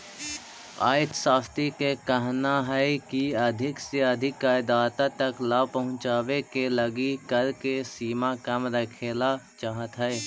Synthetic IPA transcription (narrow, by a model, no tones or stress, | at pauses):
a̰ːɪt̪saːst̪ikekəɦnaɦɛɪkiəd̪ʱɪkseəd̪ʱɪkːaːɪd̪aːt̪at̪ɐklaːpəɦʊ̃t͡ʃaːwekeləɡikəɾkesiːmakɐmɾəkʰeːlat͡ʃaːɦət̪ɦɛe